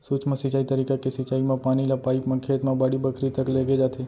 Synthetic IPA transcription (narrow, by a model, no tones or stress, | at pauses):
sut͡ʃmãsit͡ʃaːit̪əɾikakesɪt͡ʃaːimãpanilapaːipmãkʰet̪mãbaɽibəkʰɾit̪əkleɡed͡ʒat̪ʰe